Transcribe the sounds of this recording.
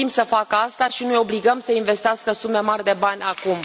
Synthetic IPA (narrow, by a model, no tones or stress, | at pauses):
imsəfakəast̪aʃinujo̞bliɡəmsəinve̞st̪easkəsume̞marʲd̪e̞banʲakum